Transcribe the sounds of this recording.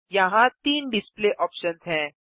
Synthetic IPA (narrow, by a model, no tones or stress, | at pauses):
jɐɦãt̪iːnɖɪspleːʔɔːpʃənzɦɛ̃ː